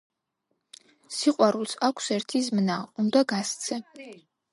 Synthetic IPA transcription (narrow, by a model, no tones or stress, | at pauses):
siqʼaɾulˠsakʷʰsɛɾt̪ʰizmnaund̪aɡast͡sʰɨ